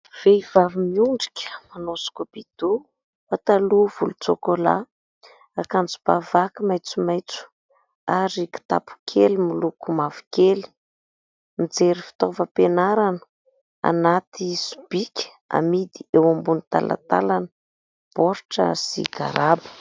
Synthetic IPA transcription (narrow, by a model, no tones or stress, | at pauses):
v̥eivavimiuɳɖ͡ʐi̥kʲə̥manosu̥kub̥id̪̥u | fat̪aluv̥ulut͡sokola̰ | akand͡zu̥b̥avakimajt͡sumajt͡su̥ | aɾiki̥t̪a̰pʰu̥kʰelimilukumavi̥keli̥ | mid͡zeɾifi̥t̪ovəpenaɾanə̥ | a̰nat̪isu̥b̥ikʲə̥ | a̰mid̪iewambunit̪a̰la̰t̪a̰lanə | b̥oɾʈ͡ʂə̰sḭɡa̰ɾabə̥